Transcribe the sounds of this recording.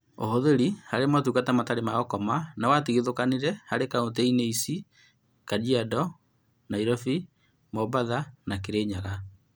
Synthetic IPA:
o̰hoðeɾihaɾemwatukatamataɾemaɣɔkɔmanawatiɣeðokaniɾɛhaɾekaotɛineisi | kadiadɔ | naiɾɔfi | mɔbaðanakeɾeɲaɣa

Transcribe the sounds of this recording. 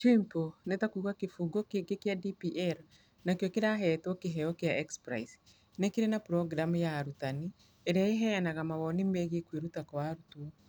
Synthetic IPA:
t͡ʃimponɛtakuɣakefuɡɔkeɡekjadipiʔɛɾ | nakjɔkeɾaɦɛtwɔkeɦɛɔkjaʔɛkspɾa̰is | nekeɾenapɾɔɡɾamjaɾutani | eɾeaeɦɛnaɣamawɔnimeɣekweɾutakwaɾutuɔ

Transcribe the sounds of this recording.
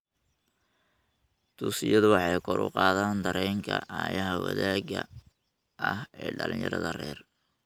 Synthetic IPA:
t̪ʰuːsɪjɐðʊwɑħɑjkʰɔɾʊqɑːðaːnd̪ɐɾɛːŋkʰɐaːjɐɦɐwɐ̰ðaːɡɐ | ʔɐhɛːɖɐlɪnjɐɾɐðɐrɛːr

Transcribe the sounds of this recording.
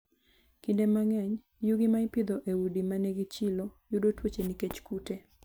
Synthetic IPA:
kindemaŋɛɲ | juɡimaɪpɪd̪oʔewudimanɛɡit͡ʃilojudotwot͡ʃeniket͡ʃkute

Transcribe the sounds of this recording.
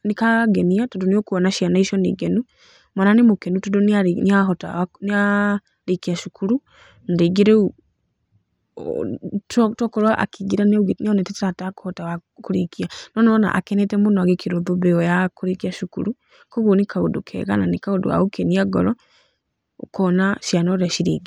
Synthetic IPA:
nikaɡeniatodoniokuɔnaʃianaiʃɔnḭɡenu | mwananimukenutodonianiaɦɔta̰ania | ɾikiaʃukʰuɾu | ndiɡiɾeu | ttɔkɔɾwaʔa̰kiɡiɾanuɡinianɛtɛtataku̥hɔtawa | kuɾikianɔnɔna̰ʔa̰kɛnɛtɛmunɔaɡekʰiɾoboβɛɔjakuɾikiaʃukṵɾu | koɣunikʰaudukʰɛ̰ɣa̰nanikaudṵa̰ukeniaɡɔ̰ɾɔ | kɔnaʃjanaɾaʃiɾiɡi

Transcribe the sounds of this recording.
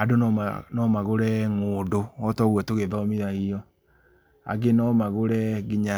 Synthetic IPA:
adonnɔmaɣoɾɛŋoːdoɔtɔɣwɛtoɣeðɔɔmiɾaijɔ | a̰ɡenɔmaɣoɾɛɡiɲa

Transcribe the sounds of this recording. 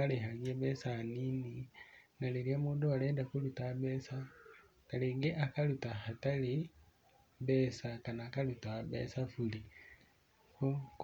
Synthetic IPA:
aleɦaɾieβɛsanininaliɾiamuːndualeːndakulutaβesa | kaleɡeʔakalutahatali | beːsakanaːkalutabḛːsafuli | ku

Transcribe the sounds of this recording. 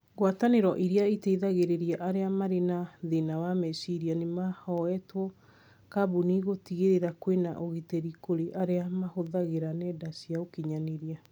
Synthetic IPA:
ɣwataneɾɔʔiɾiaiteiðaɣeɾeɾiaʔaɾeamaɾenaðenawamɛsiɾianemahɔɛtwɔ | kabuniɣotiɣeɾeɾakwena̰ʔoɣitɛɾikoɾeʔaɾeamahoðaɣeɾanɛːdasiaokiɲaneɾia

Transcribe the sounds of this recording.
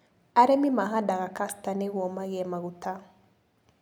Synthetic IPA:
aɾɛmimaɦadaɣakastanɛɣwɔmaɣɛmaɣuta

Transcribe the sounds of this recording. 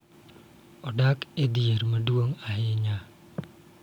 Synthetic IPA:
ɔdakedierməduoŋaɦeɲa

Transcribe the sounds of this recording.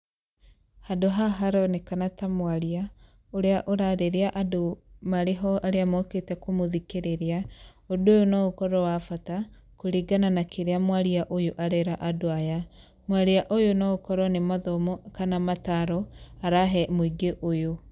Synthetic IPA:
hadoɦaɦaɾɔnekanatamwaɾia | oɾeaʔoɾaɾeɾeaʔadomaɾeɦɔaɾeamɔketɛkomoðikeɾeɾea | odojonɔokɔɾɔwafata | koɾiɡananakeɾeamwaɾiaʔojoʔaɾɛɾaʔadoaja | mwaɾiaʔojonɔokɔɾɔnemaðɔmɔkanamataɾɔaɾaɦɛmoiɡeʔojo

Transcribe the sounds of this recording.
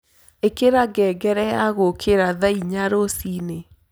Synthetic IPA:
ekeɾaɡɛɡɛɾɛjaɣokʰeɾaðaiɲaɾosine

